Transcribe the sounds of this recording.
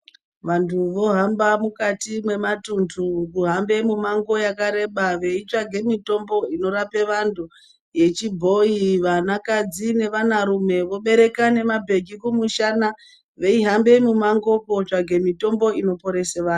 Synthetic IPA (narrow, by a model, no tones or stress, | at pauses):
ʋantʰuʋo̞ɦambamukatimwe̞matundukuɦambe̞mumaŋɡo̞jakaɾe̞ɓaʋe̞it͡ʂaɡʱe̞mito̞mbo̞ino̞ɾape̞ʋandʱu | je̞t͡ʃibʱo̞iʋanakad͡zine̞ʋanaɾume̞ʋo̞ɓe̞ɾe̞kane̞mabʱe̞ɡʱikumuʃana | ʋe̞iɦambe̞mumaŋɡo̞kot͡ʂaɡʱe̞mito̞mbo̞ino̞po̞ɾe̞seʋaːn